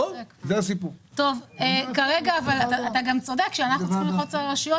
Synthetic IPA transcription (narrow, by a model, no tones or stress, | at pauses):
zeasipuʁto̞vekaʁeɡaːvalat̪aːt̪aɡamt͡so̞dekʃeanaχuχimliχot͡saʁeʃujo